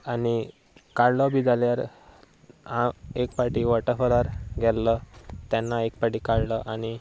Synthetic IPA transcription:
ani | kaɽləbid͡zaljaɾ | ãekpaʈiʋəʈəfəlaɾɡʱɛlːət̪janːaek̚paʈiːkaɽləʔañi

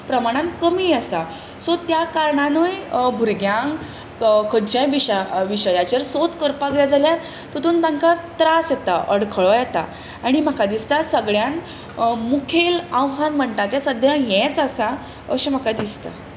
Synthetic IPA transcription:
pɾəmaɽ̃ãnkəmiːəsa | sɔt̪jakaɾɳanəjbʱuɾɡjãŋɡ | kʰət͡ɕãjʋiɕəʋiɕəjat͡ɕeɾsot̪kəɾpaɡljad͡zaljaɾ | t̪ot̪uːnt̪ãŋkat̪ɾasjɛt̪aʔəɽkʰəɭɔjɛt̪a̰ | aɽ̃im̤əkad̪ist̪asəɡɭjan | mukʰelawɦanm̤əɳʈ̪at̪jasəd̪ʱjãjɛ̃t͡sasa | ə̰ɕem̤əkad̪ist̪a̰

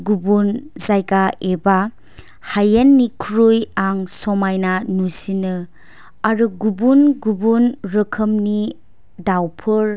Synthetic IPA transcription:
ɡubunzajɡaeba | hajenːikʰɾujaŋsomajnanusinɯ | aɾɯɡubunɡubunɾɯkʰɯmni | dawpʰɯɾ

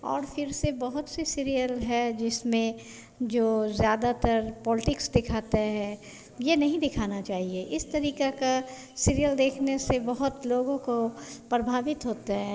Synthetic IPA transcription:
ɔ̰ːɾfʰɪɾsebɐɦʊt̪sesiːɾijəlɦɛd͡ʒɪsmẽ | d͡ʒoːzjaːd̪at̪əɾpɔːlɪʈɪksd̪ɪkʰaːt̪aɦɛ | jenɐɦĩd̪ɪkʰaːnat͡ʃaːɦieʔɪst̪ɐɾiːkeka | siːɾijəld̪eːkʰnesebɐɦʊt̪loːɡõkopɾɐbʱaːʋɪt̪ɦoːt̪aɦɛː

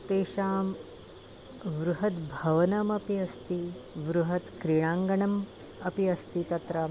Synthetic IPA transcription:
t̪eːʃaːm | ʋɾuɦɐt̪bʱɐʋɐnɐmɐpiɐst̪iʋɾuɦɐt̪kɾiɳ̃aːŋɡɐɳɐm | ɐpiɐst̪it̪ɐt̪ɾaː

